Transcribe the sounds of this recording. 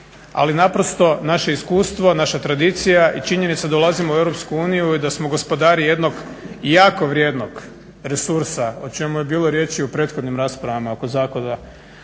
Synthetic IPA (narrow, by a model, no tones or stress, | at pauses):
a̰linapɾo̞st̪o̞naʃe̞iskuːst̪ʋo̞naʃat̪ɾad̪it̪sijaʔit͡ʃiɲe̞nit̪sad̪olˠazimoue̞wɾopskuuːnijuid̪asmo̞ɡo̞spo̞d̪aːɾije̞d̪no̞ɡ | jaːko̞ʋɾje̞ːd̪noɡ | ɾe̞suɾsaot͡ʃe̞muje̞biːlˠoɾje̞t͡ʃiupɾe̞ːt̪xo̞d̪nimɾaːspɾaʋamao̞ko̞zaːkona